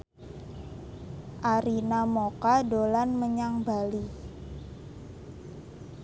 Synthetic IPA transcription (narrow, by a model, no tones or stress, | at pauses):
ʔaɾinamokadolanməɲaŋbali